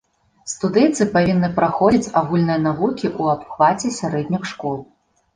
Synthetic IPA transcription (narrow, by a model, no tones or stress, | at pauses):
st̪ud̪ɛjt̪sɨpavʲinːɨpɾaxɔd͡zʲit͡sʲaɣulʲnɨjɐnavukʲiʔuapxvat͡sʲɛsʲaɾɛd̪ʲnʲixʂkɔlˠ